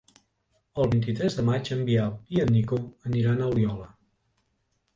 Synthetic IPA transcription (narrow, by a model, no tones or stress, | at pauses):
əlˠβint̪̬it̪ɾɛzðəmat͡ʃəmbiawiənnːikoəniɾanəwliɔlə